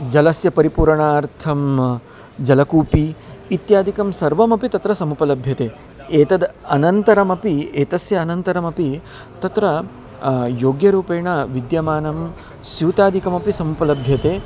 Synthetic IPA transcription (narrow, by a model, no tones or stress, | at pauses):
d͡ʒɐlɐsjɐpɐɾipuːɾɐɳaːɾt̪ʰɐm | d͡ʒɐlɐkuːpiːt̪jaːd̪ʱikɐmsɐɾʋɐmɐpit̪ɐt̪ɾɐsɐmupɐlɐbʱjɐt̪eː | eːt̪ɐd̪ɐnɐnt̪ɐɾɐmɐpieːt̪ɐsjɐːnɐnt̪ɐɾɐmɐpi | t̪ɐt̪ɾɐ | joːɡjɐɾuːpeːɳɐʋid̪jɐmaːnɐm | sjuːt̪aːd̪ʱikɐmɐpisɐmupɐlɐbʱjɐt̪eː